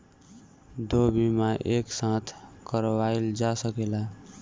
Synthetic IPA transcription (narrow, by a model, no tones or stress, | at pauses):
d̪obimaʔeksãt̪ʰkəɾwaeld͡ʒasəkela